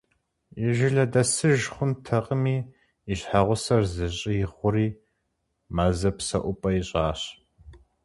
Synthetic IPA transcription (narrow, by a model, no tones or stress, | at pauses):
ɪʒɪɮɐdɐsɨʒχʷʊntʰɐqʼəmiː | ɪɕħaʁʷʊsɐrzɨɕʼɪjɪχʷʊɾiː | mazɨpsɐ̰ʔʷʊpʼɐjiɕʼaːɕ